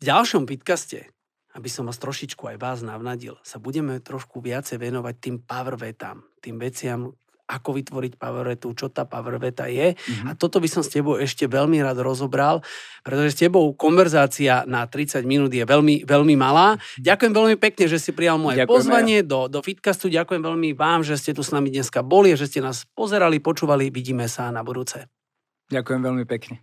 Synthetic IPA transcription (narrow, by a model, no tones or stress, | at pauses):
vɟalʃɔmfit̪kascɛ̰ | abisɔmʋaːst̪ɾɔʃit͡ʃkuajʋaːznaʋnaɟḭlsabuɟɛmɛt̪ɾɔʃkuʋɪat͡sɛjʋɛnɔʋac̚t̪iːmpaʋr̩ʋɛt̪a̰ːmt̪iːmʋɛt͡sɪam | ʔakɔʋit̪ʋɔɾicpaʋɾʋɛt̪ut͡ʃɔt̪aːpaʋr̩ʋɛt̪a̰jɛat̪ɔt̪ɔbisɔmscɛbɔʊɛʃcɛʋɛʎmiɾaːd̪ɾɔzɔbɾalpɾɛt̪ɔʒɛscɛbɔʊkɔnʋɛɾzaːt͡sianat̪ɾit͡saɟminuːd̪jɛʋɛlmiʋɛlmimalaːɟakujɛmʋɛlmipɛkɲɛʒɛsipɾijalmɔjɛpɔzʋaɲɪɛd̪ɔd̪ɔfit̪kast̪uɟakujɛmʋɛʎmiʋaːmʒɛscɛt̪usnamid̪ɲɛskabɔliaʒɛscɛnaːspɔzɛɾalipɔt͡ʃuːʋaliʋiɟiːmɛsanabud̪uːt͡sɛ | ɟakujɛmʋɛlmipɛkɲɛ